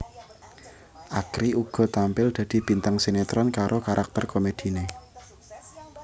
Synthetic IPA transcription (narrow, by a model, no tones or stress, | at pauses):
ʔakɾiʔuɡ̥ɔ̤t̪ampɪld̪̥a̤d̪̥i̤b̥i̤nt̪aŋsenet̪ɾɔnkaɾʔokaɾʔak̚t̪ərkomed̪̥i̤ne